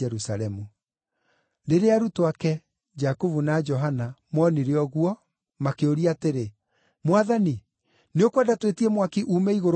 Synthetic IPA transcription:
ɛɾusaɾɛmu | ɾeɾeaɾutowakɛ | d͡ʒakovunad͡ʒɔɦanamɔniɾeɔɣuɔ | makeoɾiateɾe | mwaðani | neokwadatwetiɛmwakiʔuːmɛiɣoɾ

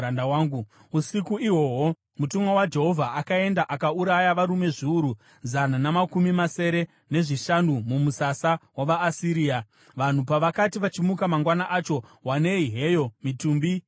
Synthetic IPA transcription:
andawaːŋɡu | usikuiɦwo̞ɦo | mutumwawad͡ʒe̞ɦo̞vʱaʔakae̞ndaʔakauɾajaʋaɾume̞ʐiuɾu | zananamakumimase̞ɾe̞ | ne̞ʐiʃanumumusasawaʋaːsiɾiːa | ʋan̤upaʋakatiʋat͡ʃimukamaŋɡwanaʔat͡ʃo̞wane̞iɦejo̞mituːmbi

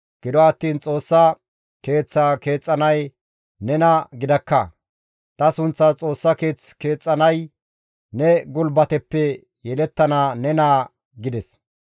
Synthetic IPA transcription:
ɡ̥ɪd̪ɔɐt̪ːiːnt͡sʼo̞ːsːɐ | ke̞ːt͡sːake̞ːt͡sʼːɐnɐj | nɛnɐɡɪd̪ɐkːɐ | t̪ɐsʊnt͡sːɐt͡sʼo̞ːsːɐke̞ːt͡ske̞ːt͡sʼːɐnɐj | nɛɡʊlbɐt̪ɛpːɛ | jɛlɛt̪ːɐnaːnɛnaː | ɡɪd̪ɛs

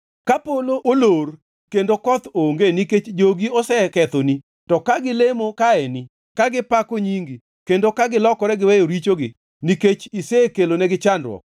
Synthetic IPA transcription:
kapoloʔolor | kendokɔt̪oŋɡeniket͡ʃd͡ʒoɡiɔsɛkɛt̪oni | tɔkaɡɪlemokaɛni | kaɡɪpakoɲiŋɡi | kendokaɡɪlɔkɔɾɛɡɪwɛjoɾit͡ʃoɡɪ | niket͡ʃisekelonɛɡɪt͡ʃandwɔ̰k̚

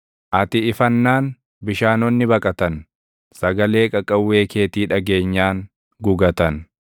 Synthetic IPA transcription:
ʔɐt̪ɪɪfɐnːaːn | bɪʃaːnɔnːɪbɐkʼɐt̪ɐn | sɐɡɐle̞ːkʼɐkʼːɐwːe̞ːke̞ːt̪iːᶑɐɡe̞ːɲːaːŋ | ɡʊɡɐt̪ɐn

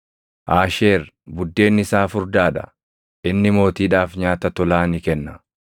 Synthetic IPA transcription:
ʔaːʃe̞ːɾ | bʊd̪ːe̞ːnːɪsaːfʊɾd̪aːᶑɐ̥̰ | ʔɪnːɪmo̞ːt̪iːᶑaːfɲaːt̪ɐt̪ɔlaːnɪkɛnːɐ

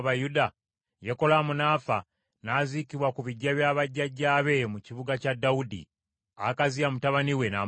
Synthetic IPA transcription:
βajuda | jeko̞lamunaːfa | nazikiβwakuβiɟːaβjaːβaɟːaɟːaːβe̞muciβuɡacadːaudḭ | a̰kaziamutaβaniwe̞na

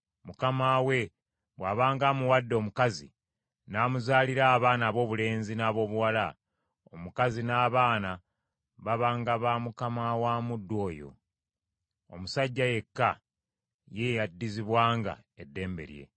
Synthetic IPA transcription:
mukamawe̞ | βwaːβaːŋɡamuwadːo̞ːmukazḭ | naːmuzaːliɾaːβaːnaːβo̞ːβule̞ːnzinaːβo̞ːβuwala | omukazinaːβaːna | βaβaːŋɡaβamukamawaːmudːo̞ːjo̞̰ | o̰musaɟːaje̞kːa | jejadːiziβwaːŋɡa̰edːe̞ːmbe̞̰ɾje̞̰

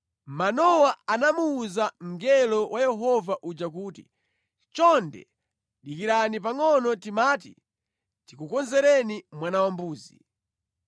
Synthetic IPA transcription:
manɔwaanamuːzam̩ɡɛlɔwʔajɛɦɔvaʔud͡ʒakuːtḭ | t͡ʃɔndɛ̰ | ɗikiɾanipaŋɔnɔtimaːtḭ | tikukɔnzɛɾɛnimwanawambuːzi

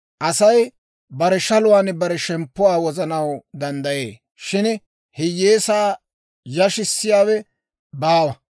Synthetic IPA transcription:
ʔɐsɐj | bɐɾɛʃɐlʊwaːnbɐɾɛʃɛmpːʊwaːwɔzɐnɐwd̪ɐnd̪ɐjeː | ʃɪn | hɪjːeːsaː | jɐʃɪsːɪjaːwɛ | baːwɐ

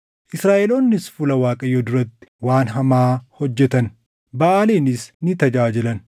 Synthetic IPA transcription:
ʔɪsɾaːʔelo̞ːnːɪsfʊlɐwaːkʼɐjːoːd̪ʊɾɐt̪ːɪ̥waːnɦɐmaːhɔd͡ʒːɛt̪ɐn | bɐʔaːleːnɪsnɪt̪ɐd͡ʒaːd͡ʒɪlɐn

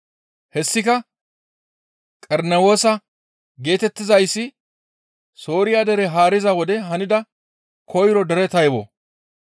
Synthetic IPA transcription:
hɛsːɪkɐ | kʼɛɾnɛwo̞ːsɐ | ɡe̞ːt̪ɛt̪ːɪzɐjsːɪ | so̞ːɾɪjaːd̪ɛɾɛɦaːɾɪzɐwɔd̪ɛɦɐnɪd̪ɐ | kʰɔjɾɔd̪ɛɾɛt̪ɐjbɔ̰

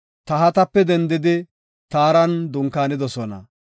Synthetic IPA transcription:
t̪ɐɦɐt̪ɐpːɛd̪ɛnd̪ɪd̪ɪ | t̪aːɾɐnd̪ʊŋkaːnɪd̪ɔsɔnɐ̰

